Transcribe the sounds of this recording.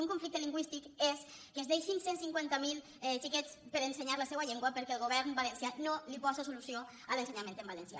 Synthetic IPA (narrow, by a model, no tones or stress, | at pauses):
uŋkuɱflik̚t̪əliŋɡwist̪ikes | kezðejʃinsensiŋkwant̪amilˠ | ɛt͡ʃikɛt͡spəɾenseɲaɾləsewaʎeŋɡwəpəɾkɛelˠɣoβ̞ɛɾnbalensjanolipɔzasulusio | əlenseɲamẽnt̪embalensja̰